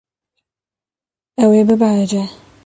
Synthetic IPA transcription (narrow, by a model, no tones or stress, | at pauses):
ewebebaɾad͡ʒa